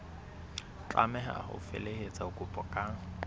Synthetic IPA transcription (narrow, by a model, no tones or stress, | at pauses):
t͡ɬʼa̰mɛɦa̰ʊ̰fḛlehet͡sʼaʊkʼʊpʼɔkʼa